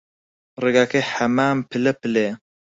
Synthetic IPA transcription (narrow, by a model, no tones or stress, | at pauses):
reɡaːkeħɐmaːmpʰɨlɛpɨle